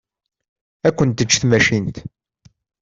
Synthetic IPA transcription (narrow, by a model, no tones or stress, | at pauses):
ækʷːənt̪ət͡ʃːθmæʃint̪